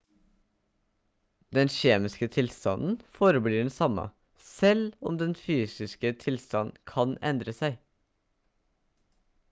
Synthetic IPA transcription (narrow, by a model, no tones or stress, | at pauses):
d̪ɛnʃeːmɪskət̪ʰɪlst̪ɑ̰nn̩foːɾəbliːɖɛn̩sɑmɑ̰ | sɛlɔmd̪ɛnfyːsɪskət̪ʰɪlst̪ɑnkʰɑnɛnd̪ɾəsæɪ